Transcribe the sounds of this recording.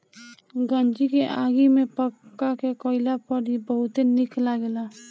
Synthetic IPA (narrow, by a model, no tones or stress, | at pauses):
ɡənd͡ʒikeʔaːɡimepəkːakekoɪlapəɽibəɦʊt̪enɪklaɡɛla